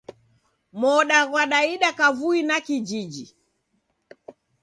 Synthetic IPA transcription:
mɔɗaɣwaɗaiɗakavuinakid͡ʒid͡ʒi

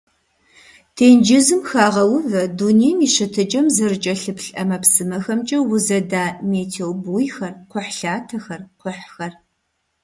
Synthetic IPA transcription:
tʰeːnd͡ʒɪzɨmxaːʁɐwʊvɐduneːjmiɕɐtʰɨd͡ʒʼɐmzɐrɨt͡ʃʼɐɬɨpɬʼɐmɐpsɨmɐxɐmt͡ʃʼɐwʊzɐdaːmeːtʰewbujxɐrqʷɔħɬaːtʰɐxɐrqʷɔħxɐr

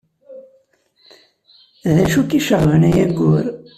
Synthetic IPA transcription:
ðæʃukiʃəʁvənæjæɡːʊɾ

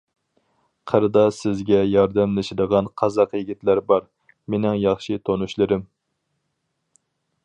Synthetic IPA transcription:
qʰəɾɨd̪ɑsɪzɡʲɛjɑɾd̪ɛmlɪʃɪd̪əʁɑnqʰɑzɑqjɪɡʲit̪læɾbɑɾ | menɪŋjɑχʃɨt̪ʰonuʃlˠɨɾɪm

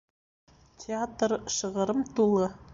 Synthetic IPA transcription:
tʲʰɪat̪rʃɤ̆ʁɤ̆ɾɤmt̪ulˠɤ

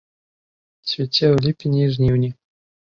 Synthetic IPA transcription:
sʲvʲɛt͡sʲːɛwlʲipʲinʲiʐnʲiwnʲi

